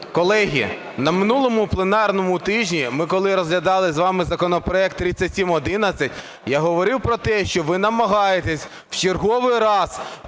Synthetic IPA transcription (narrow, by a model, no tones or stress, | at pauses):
kɔlˠɛɦʲḭ | nɐmɪnulˠɔmʊplˠenɑrnɔmʊt̪ɪʒʲnʲimɪkɔlˠɪɾɔzɦlʲɐd̪ɑlˠɪzʋɑmɪzɐkɔnɔpɾɔɛk̚t̪ːɾʲit͡sʲɐtʲsʲimɔd̪ɪnɐt͡sʲːɐtʲ | jaɦɔʋɔɾɪwpɾɔt̪ɛʃt͡ʃɔʋɪnɐmɐɦɑjet̪esʲ | w̥t͡ʃerɦɔʋɪjɾɑz